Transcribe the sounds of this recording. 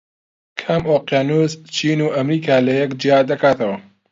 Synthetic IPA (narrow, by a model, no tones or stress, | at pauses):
kʰɐmoːqjaːnuːzt͡ʃʰiːnuːʔɐmɾiːkʰaːlɐjɛkd͡ʒiaːd̪ɐkʰaːt̪ʰɐwɐ